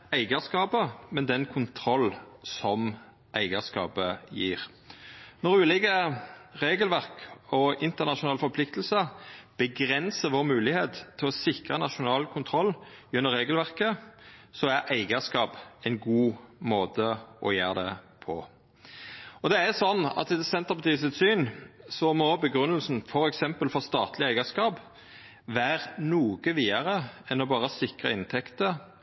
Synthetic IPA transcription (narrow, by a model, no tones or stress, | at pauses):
æɪɡəskɑːpəmɛnd̪ɛnkʰʊnt̪ʰɾɔlːsɔm | ʔæɪɡəskɑ̰ːpəjiːʁ | nɔʁʉːlɪɡəʁeːɡəlʋæʁkɔɪnt̪əʁnɑʃʊnɑːlfɔɾpʰlɪkt̪əl̩səb̥əɡʁɛnsəʋoːʁmʉːlɪheːt̪t̪ʰːɪlɔsɪkʁənɑʃʊnɑːlkʰʊnt̪ʰɾɔlːʉnːəɾʁːeːɡəlʋæʁkəsɔæʔæɪɡəskɑːpɛɪnɡuːmoːt̪ʰəʔɔjeːʁd̪ɛ̰ | pʰɔ̰ | ɔd̪ɛæsɔnːɑ̰t̪ɛd̪sɛnt̪əʁpɑt̪ʰiːsɪt̪syːnsɔmɔbəɡʁʉnːəlsn̩fɔɾɛksɛmpəlfɔʁst̪ɑːt̪lɪæɪɡəskɑːp | ʋæːʁnuːɡəʋiːəʁəɛnɔbɑːʁəsɪkʁə̰ɪnt̪ʰɛkt̪ə